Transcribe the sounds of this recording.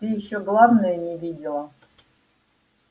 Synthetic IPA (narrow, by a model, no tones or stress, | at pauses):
t̪ɨjɪɕːoɡlˠavnəjənʲɪvʲidʲɪlˠə